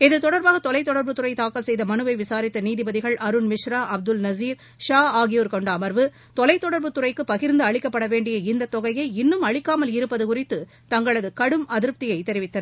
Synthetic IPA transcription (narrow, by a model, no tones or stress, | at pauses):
ɛðɯt̪ɔɽɐɾbaːɣɐt̪ɔlɐɪt̪ːɔɽɐɾbɯt̪ʊrɐɪt̪aːkɐlsɛjðɐmɐnɯʋɐɪʋɪsaːɾɪt̪ːɐniːðɪbɐðɪɣɐɭʔɐɾɯnmɪʂɾaːʔɐb̚d̪ɯlnɐziːɾ | ʂaːaːɣɪjoːɾkɔɳɖɐɐmɐɾʋɯ | t̪ɔlɐɪt̪ːɔɽɐɾbɯt̪ʊrɐɪkːɯpːɐɣɪɾnd̪ɯɐɭɪkːɐpːɐɽɐʋeːɳɖɪjɐɪnd̪ɐt̪ːɔɣɐjɐɪɪnːɯmɐɭɪkːaːmɐlɪɾɯpːɐðɯkʊrɪt̪ːɯ | t̪ɐŋɡɐɭɐðɯkɐɽɯmɐðɪɾp̚t̪ɪjɐɪt̪ɛɾɪʋɪt̪ːɐnɐ